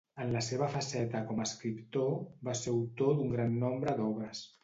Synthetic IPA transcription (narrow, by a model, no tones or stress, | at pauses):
ənləseβ̞əfəsɛt̪əkɔməskɾipt̪obaseɾwt̪od̪uŋɡɾanːɔmbɾəd̪ɔβɾəs